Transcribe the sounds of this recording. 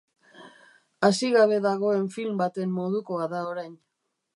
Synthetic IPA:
asiɣaβ̞e̞ðaɣo̞e̞ɱfilmbat̪e̞mːo̞ð̞uko̞aðaoɾajn

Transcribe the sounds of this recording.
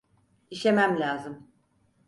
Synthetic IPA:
iʃe̞mæmlʲaːzɯm

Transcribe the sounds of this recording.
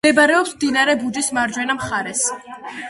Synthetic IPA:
ɛbaɾɛɔpsmd̪inaɾɛbud͡ʒismaɾd͡ʒwɛnamχaɾɛs

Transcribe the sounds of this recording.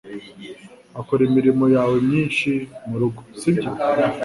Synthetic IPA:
akoɾimiɾimo̞jaːwe̞mɲiːnʃimuɾuɡo̥sibɟo

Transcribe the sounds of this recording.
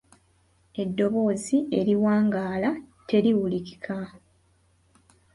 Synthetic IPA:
e̞dːo̞βo̞ːzie̞ɾiwaːŋɡaːlatʰe̞ɾiwuliki̥kʰa

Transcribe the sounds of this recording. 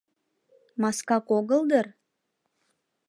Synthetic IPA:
mɑskɑkoɣəlˠd̪ər

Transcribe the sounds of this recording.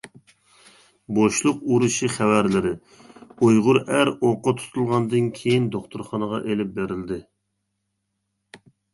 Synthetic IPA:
boʃlˠʊquɾuʃiχævæɾlɪɾɪ | ujʁʊɾæɾoqːɑt̪ʰu̥t̪ʰulˠʁɑnd̪ɨnkʲʰejind̪oχt̪ʰʊɾχɑnəʁɑʔelɪp̚beɾɪld̪ɪ

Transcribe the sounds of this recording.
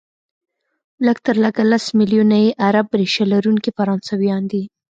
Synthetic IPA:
ləɡt̪əɾləɡalasmɪljunajeʔaɾabːɾeʃalaɾunkifaɾɑnsawjɑnd̪i

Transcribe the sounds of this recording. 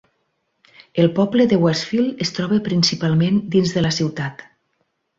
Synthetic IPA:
elˠpɔbləðəwɛsfilˠest̪ɾɔβəpɾinsipalˠmend̪inzðələsiwt̪at̪

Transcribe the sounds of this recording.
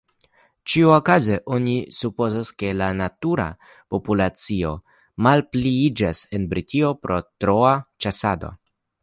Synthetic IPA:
t͡ʃiuokazeʔo̞nisupo̞zaske̞lanatuɾa̰ | po̞pulat͡sio̞ | malpliid͡ʒase̞nbɾitʰio̞pɾʔo̞tɾo̞at͡ʃasado̞̰

